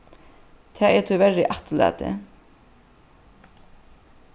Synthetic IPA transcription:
t̪ʰɛːɛt̪ʰʏvɛɾɪʔat̪la̰t̪ɪ̰

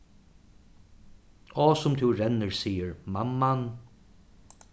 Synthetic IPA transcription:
ɔsʊmt̪ʰuwɾɛnːəɹsiːəɹmamːan

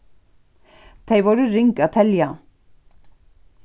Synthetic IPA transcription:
t̪ʰeɪjʋɔɾʏɾɪŋkat̪ʰɛlja

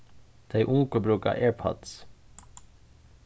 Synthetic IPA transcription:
d̪̥eɪʔʊŋkəbɾʉːkɑ̰ːʔeːɹpʰɔ̰t̪s

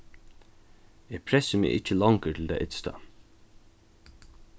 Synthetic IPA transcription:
æːpʰɾɛsəmḛːʔɪc͡çəlɑŋkəʈ̪ʰl̩d̪æ̰ɪʔɪt̪st̪ɑ̰

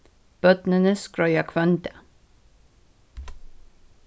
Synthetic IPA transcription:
b̥œt̪nənəskɾœʏakʰʋœnt̪ə

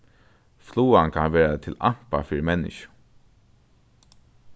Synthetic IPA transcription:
fluːankʰanʋɛːɹat̪ʰɪlam̥pa̰fiːɾɪmɛnːɪ̰ʃʊ̥

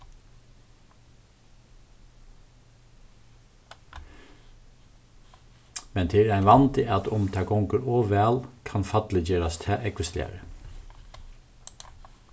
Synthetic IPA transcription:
mɛnt̪ʰɪːɾæɪnʋɑnt̪ʰɪʔɑt̪ʊmt̪ʰɑɡʊŋkəɾoːʋæːlkʰɑnfɑt̪l̩ɪd͡ʒeːɾɑst̪ʰɛːʔɛkɪst̪ḛːɾə

